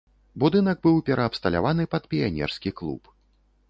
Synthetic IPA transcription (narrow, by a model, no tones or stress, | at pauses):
bud̪ɨnɐɡ̚bɨwpʲɛɾɐːpst̪ɐlʲa̰vanɨpɐt̪̚pʲijanʲɛ̰rskʲiklˠṵp